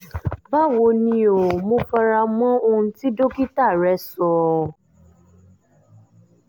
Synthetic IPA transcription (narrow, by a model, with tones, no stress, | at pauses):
ba˦wo˧nĩ˧o˨mõ˧fa˧ɾa˧mɔ̃˦õ˧ti˦do˦ki˦ta˦˨ɾɛ˧˦sɔ˨